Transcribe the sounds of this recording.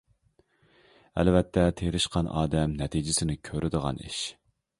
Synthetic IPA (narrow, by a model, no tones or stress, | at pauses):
æ̰lvɛt̪ʰːɛt̪ʰeɾɪʃqʰɑnɑ̰ːd̪ɛmnɛt̪ʰid͡ʒɪsɪnɪkʲʰøɾʔɪd̪əʁɑ̰nḭʃ